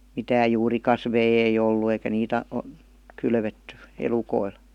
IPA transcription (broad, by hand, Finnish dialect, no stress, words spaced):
mitæːj juːrikɑsʋei ei olːu eikæ niːt ɑ o kylʋetːy elukoil